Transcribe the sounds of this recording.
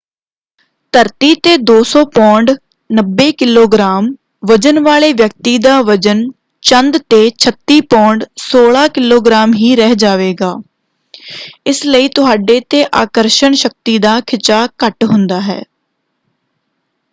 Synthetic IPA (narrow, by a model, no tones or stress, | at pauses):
t̪əɾt̪iːt̪eːd̪oːsɔːpɔ̃ːɳɖ | nəbːeːkɪloːɡɾaːm | ʋəd͡ʒənʋaːleːʋjək̚t̪iːd̪aːʋəd͡ʒən | t͡ʃənd̪t̪eːt͡ʃʰət̪ːiːpɔ̃ːɳɖsoːɭaːkɪloːɡɾaːmɦiːɾɛɦd͡ʒaːʋeːɡaː | ɪsləiːt̪ʊɦaːɖeːt̪eːʔaːkəɾʃəɳʃək̚t̪iːd̪aːkʰɪt͡ʃaːkəʈɦʊnd̪aːɦɛ̰ː